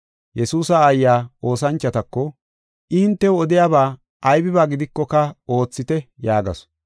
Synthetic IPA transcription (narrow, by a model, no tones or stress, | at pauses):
jɛsuːsaːjːaːo̞ːsɐnt͡ʃːɐt̪ɐkːɔ | ʔɪhɪnt̪ːɛwɔd̪ɪjaːbaː | ɐjbɪbaːɡɪd̪ɪkːɔkɐo̞ːt͡sːɪt̪ɛjaːɡɐ̰s